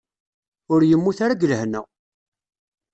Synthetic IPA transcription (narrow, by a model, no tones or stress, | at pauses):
ʊɾjəmːuθaɾaɡələhnə